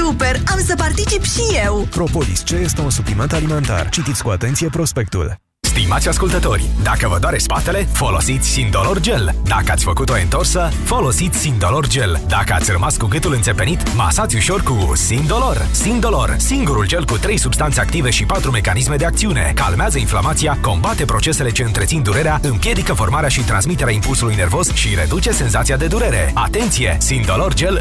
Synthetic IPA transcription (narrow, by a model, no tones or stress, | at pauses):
supeɾamsəpart̪it͡ʃipʃijewpɾo̞polist͡ʃe̞je̞st̪e̞unsuplime̞nt̪alime̞nt̪a̰rt͡ʃit̪it̪sʲkuat̪e̞nt̪sije̞pɾo̞spe̞k̚t̪ṵl | st̪imat̪sʲaskult̪ət̪o̞̰rʲd̪akəvəd̪oaɾespat̪e̞le̞fo̞lo̞̰sit̪sʲsinolo̞rd͡ʒe̞ld̪akəat̪sʲfəkut̪o̞ent̪o̞rsə | fo̞lo̞sit̪sʲsind̪o̞lo̞rd͡ʒe̞ld̪akəa̰rəmaskuɡɨt̪ulɨnt̪e̞pe̞nit̪ma̰sat̪sʲuʃo̞rku | sin̚d̪o̞lo̞r | sind̪o̞lo̞r | iŋɡuɾuld͡ʒe̞lkut̪ɾe̞jsubst̪ant̪se̞ak̚t̪ive̞ʃipat̪ɾume̞kanisme̞d̪e̞akt̪siune̞̰ka̰lmeazəinflamat̪sijako̞mbat̪e̞pɾo̞t͡ʃe̞se̞le̞t͡ʃe̞ɨnt̪ɾet̪sind̪uɾe̞ɾeaɨmpje̞d̪ikəfo̞rmaɾeaʃit̪ɾansmit̪e̞ɾeaimpulsulujne̞rvo̞sʃiɾe̞d̪ut͡ʃe̞se̞nzat̪sijad̪e̞d̪uɾe̞ɾe̞̰at̪e̞nt̪sije̞̰sind̪o̞lo̞rd͡ʒe̞l